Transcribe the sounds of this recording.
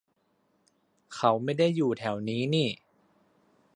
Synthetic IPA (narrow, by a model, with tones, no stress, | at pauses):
kʰa˦˥wma˥˩jda˥˩jːuː˨˩t̪ʰɛ˩˦wniː˦˥niː˥˩